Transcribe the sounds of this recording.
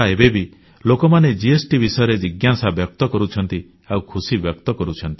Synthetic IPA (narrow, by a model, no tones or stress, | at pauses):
aebebi | lokɔmaned͡ʒiesʈibisɔjɔɾed͡ʒiɡjasabjɔk̚t̪ɔkɔɾut͡ʃʰɔnt̪i | awkʰusibjɔk̚t̪ɔkɔɾut͡ʃʰɔnt̪i̥